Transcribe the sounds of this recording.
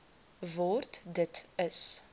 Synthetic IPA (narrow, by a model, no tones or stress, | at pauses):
voːrtdətəs